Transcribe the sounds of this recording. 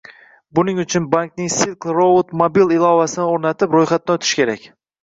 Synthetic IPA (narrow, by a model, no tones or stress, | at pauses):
bʊnɪŋʊt͡ʃʰʊnbaŋknɪŋsilklˠɾobot̪mobilˠɪlˠɒvasɪnɪoɾnat̪ʰɪpɾojχat̪̚ːaʊt̪ʰɪ̥ʃkʲʰe̞ɾakʲ